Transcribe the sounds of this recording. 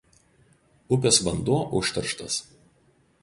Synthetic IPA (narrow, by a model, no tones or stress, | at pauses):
ʊpʲɛsʋɐnd̪uɔʔʊʃʲt̪ʲɐɾʃt̪ɐs